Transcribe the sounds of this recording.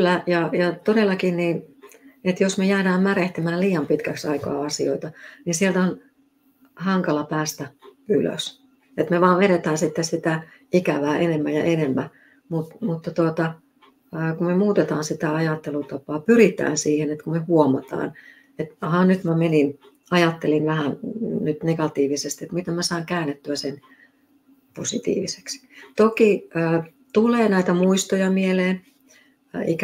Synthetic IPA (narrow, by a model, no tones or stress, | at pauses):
klːæjɑjɑt̪odelːˑɑkinniːnet̪josmejæːɾæːmmæreht̪imæːliːjɑmpit̪kæksɑikɑ̰ːɑsioit̪ɑninsielt̪on | hɑŋkɑlɑpæːst̪æylø̰s | et̪meʋɑːʋʋeɾet̪æːnsit̪ːessit̪æikæʋæːʔenemːæjɑ̰ʔenemːæ | mut̪mut̪ːɑt̪uot̪ɑ | əːkummemuːt̪et̪ɑːnsit̪æɑjɑt̪ːelut̪ɑpɑːpyrit̪æ̰ːnsiːhenet̪kumehuomɑ̰t̪ɑ̰ːn | et̪hɑnyt̪mæmenin | ɑjɑt̪ːelinʋæhænnyt̪neɡ̥ɑt̪iːʋisest̪iet̪mit̪emmæsɑˑiŋkæːnːet̪ːyæsen | posit̪ḭːʋise̥kst̪okiəː | t̪uleːnæit̪æmuist̪ojɑmieleːn | ḭkæ